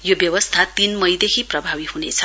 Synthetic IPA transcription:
jobjʌwʌst̪ʰat̪inmʌjd̪ekʰiprʌbʱawihunḛt͡sʰʌ

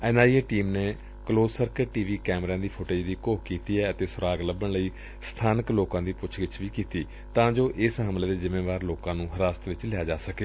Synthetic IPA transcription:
ɛ̃ːnaːieːʈiːmneː | kloːzsəɾkəʈiːʋiːkɛːmɾãːd̪iːpʰoʈeːd͡ʒd̪iːkoːpkiːt̪iːɛːət̪eːsʊɾaːɡləbːəɳləiː | st̪ʰaːnəkloːkãːd̪iːpʊt͡ʃʰɡɪt͡ʃʰʋiːkiːt̪iː | t̪ãːd͡ʒoːʔɪsɦəmleːd̪eːzɪmːeːʋaːɾloːkãːnũːɦəɾaːst̪ʋɪt͡ʃlɪaːd͡ʒaːsəkeː

